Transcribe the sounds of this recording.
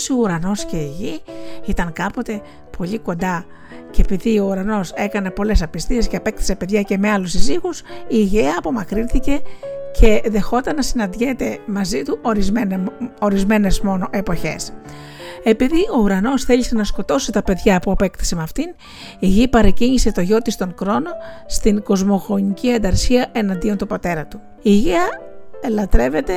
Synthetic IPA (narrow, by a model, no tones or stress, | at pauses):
siouɾɐno̞sce̞iʝiit̪ɐŋkɐpo̞t̪e̞ | pʰo̞ʎiko̞nd̪ɐ | ceepiðio̞uɾɐno̞se̞kɐne̞po̞le̞sɐpist̪ie̞sceɐpe̞k̚t̪i̥se̞pe̞ðʝɐce̞meɐlusiziɣusiːʝeɐːpo̞mɐkɾinθice̞cʰe̞ðe̞xo̞t̪ɐnːɐsinɐnd̪ʝet̪e̞mɐzit̪uʔo̞ɾizeno̞ɾizme̞ne̞zmo̞no̞ʔe̞po̞çe̞̰s | e̞piðiʔo̞uɾɐno̞sθe̞ʎise̞nɐsko̞t̪o̞sit̪ɐpe̞ðʝɐpuɐpe̞kt̪i̥semɐft̪in | iʝipɐɾɐciɲise̞t̪o̞ʝo̞t̪ist̪o̞ŋxɾo̞no̞st̪iŋɡo̞zmo̞xo̞ɲiciɐd̪ɐɾsiɐʔe̞nɐnd̪iont̪upot̪e̞ɾɐt̪u̥ | iːʝeɐelɐt̪ɾe̞ve̞t̪e̞